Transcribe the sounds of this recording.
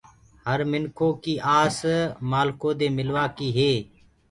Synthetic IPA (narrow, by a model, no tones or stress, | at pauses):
həɾmɪnkʰoːkiːʔaːsmaːlkõːd̪eːmɪlʋaːkiːɦeː